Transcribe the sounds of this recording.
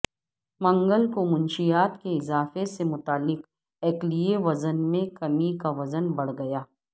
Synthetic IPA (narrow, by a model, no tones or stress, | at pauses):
mɐ̃ŋɡəlkomʊ̃nʃijaːt̪keɪzaːfesemʊt̪aːlːɪq | ɛːklieʋɐzənmẽkɐmikaʋɐzənbɐɽ̤ɡɐjaː